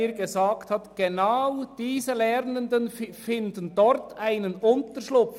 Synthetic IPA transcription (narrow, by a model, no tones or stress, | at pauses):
ɐɡezaːkthɑtɡ̥enaʊd̥iːzəlɛɾnəndənfɪndən̩dɔɾtaɪnənʔʊntəʃlʊpf